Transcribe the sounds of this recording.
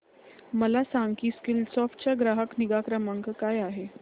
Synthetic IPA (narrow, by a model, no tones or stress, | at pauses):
məlasaŋɡkiːskilsɔfʈt͡ɕjaɡɾaɦəkniɡakɾəməŋkkajaɦe